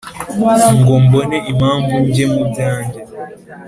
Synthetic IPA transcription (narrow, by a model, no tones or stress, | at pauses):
ŋ̩ɡombəneʔimambund͡ʒemud͡zaːnd͡ʒa